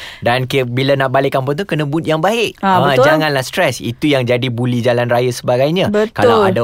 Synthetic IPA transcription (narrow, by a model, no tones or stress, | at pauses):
dankbilanaʔbalɪkampʊnt̪̬ukənə̃but̪̚jaŋbaɪʔaəd͡ʒaŋãnlahst̪ɾɛsḭt̪ujaŋd͡ʒadibulid͡ʒalanrajasəbaɡajɲãbət̪kalaada